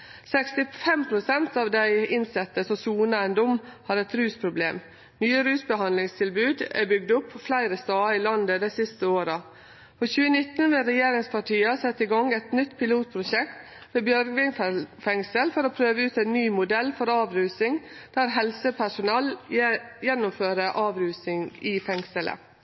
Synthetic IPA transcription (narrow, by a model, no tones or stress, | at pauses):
sɛkst̪ɪfɛmpʰɾʊsɛnt̪ɑːʋd̪æɪɪnsɛt̪ːəsɔmsuːnəɛnd̪ʊmːhɑɾɛt̪ɾʉːspʰɾʊblḛːm | nyːəɾʉːsbəɦɑnlɪŋst̪ʰɪlbʉːd̪æ̰bʏɡd̪ʊpːɔflæɪɾəst̪ɑːɪlɑnd̪əd̪æɪsɪst̪əoːɾə | pʰɔçʉːənɪt̪nʋɪlɾɛjeːɾɪŋspʰɑʈʰiːɑsɛt̪ːɪɡɑŋɛt̪nʏt̪ːpʰɪluːt̪̚pʰɾʊʃɛkt̪ | ʋebjœɾɡʋɪnfɛŋsəlfɔɾoːpʰɾøːʋəʉːt̪æɪnnyːmʊd̪ɛlfɔɾɑːʋɾʉːsɪŋd̪̥æɾɦɛlsəpʰæʂʊnɑːl | jɛnːʊmføːɾəʔɑːʋɾʉːsɪŋɪfɛŋsəlʔə̰